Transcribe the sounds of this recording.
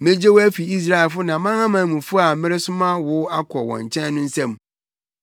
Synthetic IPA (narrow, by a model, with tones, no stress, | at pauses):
mɪ̃˦d͡ʑe˦wɔ˦æ˦fi˨i˦s̬ɾa˦˨ɛ˨lfʊ˦nã˨˦mã˦ŋã˦mãː˨mũ˨fʊ˦a˨mɪ̃˦ɾɪ˦sʊ̃˦mã˦wʊ˨˦a˦kʰɔ˨wɔ̰̃˨ɲ˨t͡ɕʰɛ̃˦n˦nʊ̃˦n̩˦sɛ̃˦m˦